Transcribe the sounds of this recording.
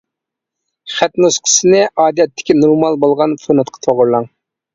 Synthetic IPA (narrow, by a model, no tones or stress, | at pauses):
χæt̪nusqʰə̥sɨnɪʔɑːd̪ijɛt̪ʰːɪ̥kʲinoɾmɑlˠbolˠʁɑnfonɑt̪̚qʰɑ̥t̪ʰoʁʊɾlˠɑŋ